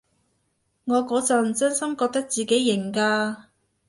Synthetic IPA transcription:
ŋɔː˨˧kɔː˨˧t͡sɐ˨˩m̩˨sœ˥nsɐ˥mkɔː˧k̚t̪ɐ˥k̚t͡siː˨˩ke˨˥jːɪ˨˩ŋkaː˧

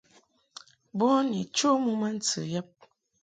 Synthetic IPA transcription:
bɔ˦ni˨t͡ʃo˦mu˦ma˦n̩˦t͡sɨ̰˨jɛ˦p̚

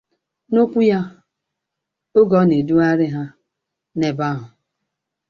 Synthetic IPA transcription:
no˦kʷu˦ja˦ | o˦ɡɔ˨˦ne˨du˦a˦ɾɪ˦ɦa˦ | ne˨ba˦ɦʊ˨

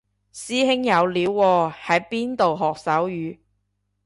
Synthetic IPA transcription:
siː˥hɪ˥ŋjɐ˨˧wliː˨˧wːɔː˧hɐ˨˥jpiː˥nt̪o˨wɦɔː˨˩k̚sɐ˨˥wjyː˨˧

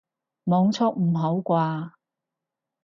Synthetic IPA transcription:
mɔː˨˧ŋt͡sʰɔː˥k̚m̩˨˩ɦo˨˥wkʷaː˧

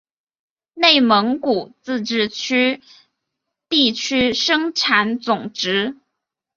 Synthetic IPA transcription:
ne˥˩ɪmə˧˥ŋku˨˩t͡sɹ̩˥˧ʈ͡ʂɻ̩˥˩t͡ɕʰy˥ | t̪i˥˩t͡ɕʰy˥ʂɤ˥ŋʈ͡ʂʰa˧˥nt͡sʊ˨˩ŋʈ͡ʂɻ̩˧˥

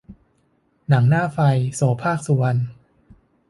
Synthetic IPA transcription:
na˩˦ŋnaː˥˩fa˧jsoː˩˦pʰaː˥˩k̚su˨˩˦n

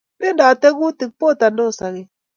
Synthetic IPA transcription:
be˦da˨te˦ɡu˦ti˨k̚po˦˨ta˨n˦do˦˨sa˨ɣe˨

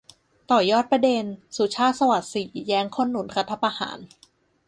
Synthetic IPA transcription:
t̪ɔː˨˩jɔː˥˩t̪̚pɾa˧de˧nsu˨˩t͡ɕʰaː˥˩t̪̚sa˧wa˨˩t̪̚siː˨˩˦jɛː˦˥ŋkʰo˥˨nːu˨˩˦nkʰa˦˥t̪ʰːa˧˩pa˧ha̰ː˩˦n

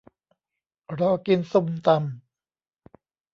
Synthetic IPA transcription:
ɾɔː˧ki˧nsu˧˩mt̪a˧m

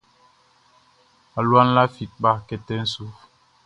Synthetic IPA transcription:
a˨lwa˦nla˦fi˨k̚ɓa˦kɛ˦tɛ˦n̩˦su˦f

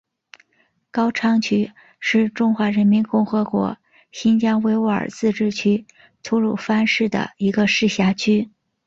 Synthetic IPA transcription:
kɑ˥ʊʈ͡ʂʰɑ˥ŋt͡ɕʰy˥ | ʂɻ̩˥˧ʈ͡ʂʊ˥ŋxwa˧˥ɻə˧˥nmi˧˥nkʊ˥˩ŋxɤ˧˥kwɔ̰˧˥ | ɕi˥nt͡ɕjɑ˥ŋwe˧˥ɪwə̰˞˨˩t͡sɹ̩˥˧ʈ͡ʂɻ̩˥˩t͡ɕʰy˥ | t̪ʰu˥ɻu˥˩fa˥nʂɻ̩˥˩d̪ə̰˩i˧˥ɡə˧ʂɻ̩˥˩ɕja˧˥t͡ɕʰy˥

